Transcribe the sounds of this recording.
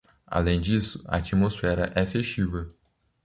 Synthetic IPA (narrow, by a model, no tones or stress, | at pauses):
a̰lẽj̃d͡ʒisʊ̥ɐ̰at͡ʃimosfɛɾɐ̰ʔɛfeʃt͡ʃivɐ